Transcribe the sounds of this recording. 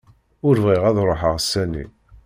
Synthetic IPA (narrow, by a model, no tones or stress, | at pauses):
ʊɾvʁiʁæðɾˤoħəʁsːænḭ